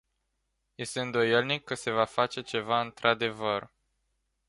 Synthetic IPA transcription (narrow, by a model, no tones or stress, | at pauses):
je̞st̪e̞ɨnd̪o̞jelnikːəse̞vafat͡ʃe̞t͡ʃe̞vaɨnt̪ɾad̪e̞vər